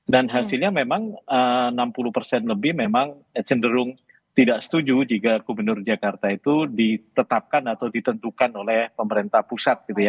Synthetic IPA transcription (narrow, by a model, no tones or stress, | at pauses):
danɦasɪlɲamemaŋəənampulupərsɛnləbɪhmemaŋ | t͡ʃəndəɾʊŋ | t̪idaʔsə̥t̪ud͡ʒud͡ʒikakumənʊrd͡ʒakart̪ait̪udit̪ət̪ap̚kanat̪awdit̪ənt̪ukanolɛhpəməɾent̪ahpusat̪̚ɡ̥it̪uja